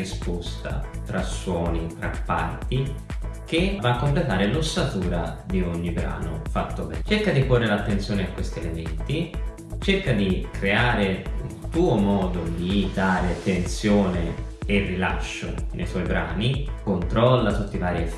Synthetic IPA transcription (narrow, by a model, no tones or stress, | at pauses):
ispost̪a̰t̪ɾasːwɔːnit̪ɾapːa̰rt̪ik̟evaːkːomplet̪aːɾelosːat̪uːɾad̪ioɲːibɾa̰ːno̰fat̪ːobɛt͡ʃerkad̪iporːeɾeat̪ːent̪sjoːneakːwest̪ielement̪i | t͡ʃerkad̪ikɾeaːɾeṵlt̪uːomɔːd̪od̪id̪aːɾet̪ent̪sjoːneerːila̰ʃːo̰nʔḛjswɔjbɾa̰ːnikont̪ɾɔlːat̪ut̪ːivaːɾi